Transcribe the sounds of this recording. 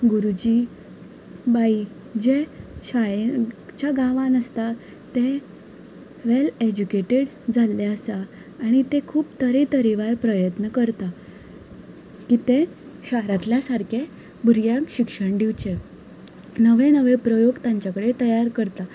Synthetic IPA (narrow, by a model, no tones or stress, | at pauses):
ɡuɾud͡ʑi | bai | d͡ʑeɕaɭet͡ɕjaɡãʋãnəst̪a | t̪ẽ | ʋeled͡ʑukeʈeɽ | d͡zalːeəsaː | ɽ̃it̪ekʰuːpt̪əɾet̪əɾiʋaɾpɾəjət̪nəkəɾt̪a | kit̪ẽɕaɾat̪ljasaɾkʰe | buɾjãkɕikʂəɳɖ̪iʋt͡ɕe | nəʋenəʋepɾəjoɡt̪jaɲt͡ɕjakəɽet̪əjaɾkəɾt̪a